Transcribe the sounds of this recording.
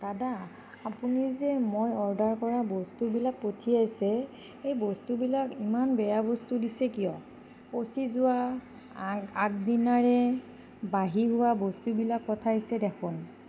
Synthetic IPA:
tadaː | punizɛmojɔɹdaɹkɔɹabɔstubilak̚potʰijajsɛ | ejbɔstubilakimanbɛjabɔstudisɛkijɔ | posizʊwa | ak̚dinaɹɛ | baɦiɦʊwabɔstubilakːɔtʰaisɛdɛkʰʊn

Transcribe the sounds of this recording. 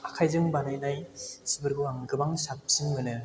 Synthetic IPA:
akʰajzɯŋbanɯjnajsɯbɯɾɡɯaŋɡɯbaŋsap̚simɡɯnɯ

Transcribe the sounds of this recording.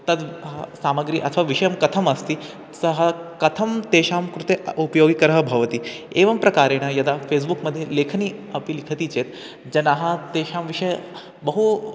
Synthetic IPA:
t̪ɐd̪ɦasaməɡɾiːʔɐ̰t̪ʰʋaʋiʂəjəmkɐt̪ʰəməst̪iː | səɦəkɐt̪ʰəmt̪eʃamkɾut̪eupəjoɡikɐɾəɦəbʱɐʋt̪iː | eʋɐmpɾɐkaɾeɽ̃ajɐd̪afes̬bukməd̪ʱːjelekʰniːɐpilikʰət̪iːt͡ɕet̪ | d͡ʑɐnaɦat̪eʃamʋiʂəj | bəɦu

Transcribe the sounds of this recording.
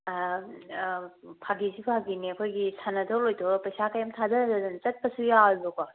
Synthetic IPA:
pʰaɡizipʰaɡiniɐkʰojɡisanɐdɔlojtʰɔɾpɐjsakajamtʰadɐnadɐdɯnt͡ʃɐt̚pɐsujalbɔkɔ

